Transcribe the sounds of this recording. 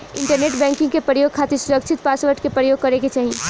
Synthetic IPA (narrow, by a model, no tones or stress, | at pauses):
ɪ̃ɳʈəɾneːʈbɛ̃ːŋkɪ̃ŋɡkepɾəjoːɡ̚kʰaːt̪esʊɾəkʃʰɪt̪̚paːsʋəɾʈkepɾəjoːɡ̚kɐɾeket͡ʃaːɦie